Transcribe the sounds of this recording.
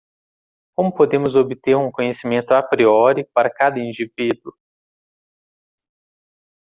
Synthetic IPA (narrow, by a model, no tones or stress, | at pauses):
kõmʊpod̪ẽmʊzobɪt̪eɾũkõɲesimẽnt̪ʊapɾiɔɾipaɾɐkad̪ɐĩnd͡ʒivid̪wʊ